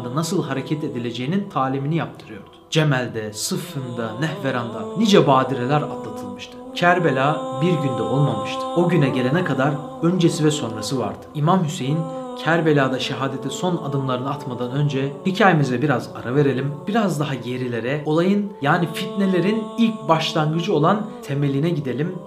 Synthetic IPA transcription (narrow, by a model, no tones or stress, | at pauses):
d̪anasɯlˠɦaɾe̞cʰɛt̪e̞d̪ilʲe̞d͡ʒe̞jinint̪ʰaːlʲiminijap̚t̪ʰɯɾɯjo̞ɾd̪̥ʊ̥d͡ʒemælʲd̪ɛsɯfɯnd̪anɛhveɾand̪anid͡ʒɛbaːd̪iɾelʲæɾa̰d̪lˠat̪ʰɯlˠmɯʃt̪ʰɯ̥cʰæɾbelʲaːbiɾɟynd̪ɛo̞lˠmamɯʃt̪ʰɯ̥o̞ɟynɛɟelʲe̞nɛkʰad̪aɾ | ø̞nd͡ʒesivɛso̞nɾasɯva̰ɾd̪̥ɯ̥imamhyse̞jincʰæɾbe̞lʲaːd̪aʃeɦaːd̪e̞t̪ʰiso̞na̰d̪ɯmlˠaɾɯnɯat̪mad̪anø̞nd͡ʒɛhicʰaːjemizɛbiɾaza̰ɾave̞ɾe̞lʲimb̥iɾazd̪aɦaje̞ɾilʲe̞ɾɛo̞lˠajɯnjaːnifit̪̚ne̞lʲe̞ɾinilʲc̚baʃlˠaŋɡɯd͡ʒɯo̞lˠant̪ʰe̞me̞lʲinɛɟid̪e̞lʲim